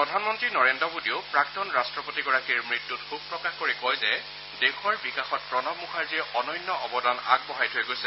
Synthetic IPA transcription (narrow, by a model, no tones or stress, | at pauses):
pɹɔdʱanmɔntɹinɔɹendɹɔbudiopɹak̚tɔnɹastɹɔpotiɡɔɹakiɹmɹitːutkʰub̚pɹɔkaxkoɹikɔjzɛ | dexʰɔɹbikaxɔt̚pɹɔnɔmukʰaɹziɛʔɔnɔjnːɔɔbɔdana̰ɡ̚bɔɦajtʰojɡojsɛ